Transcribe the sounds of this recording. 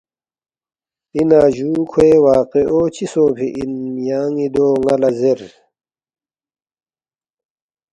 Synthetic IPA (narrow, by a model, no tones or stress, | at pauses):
inaːʑuːkʰweːwaːqeʔoːt͡ɕʰisoːpʰḭʔinmjaːŋid̪oːŋɐlɐzeɾ